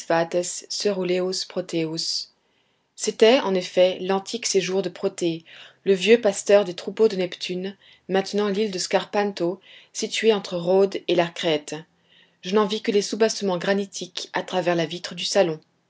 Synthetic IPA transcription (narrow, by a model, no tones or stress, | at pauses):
vat̪ɛsːəʁuleuspχɔt̪eusː | et̪ɛɑ̃nefɛlɑ̃t̪ʰikseʒuʁd̪əpχɔt̪eləvjøpast̪œʁd̪et̪χupod̪ənɛpt̪ʰyn | mɛ̃t̪nɑ̃lild̪əskaʁpãnt̪osit̪ɥeɑ̃t̪χəʁod̪elaʁkχɛt̪ | ʒ̥ənɑ̃vikəlesubasəmɑ̃ɡʁanit̪ʰikat̪χavɛʁlavit̪χəd̪ysalɔ̃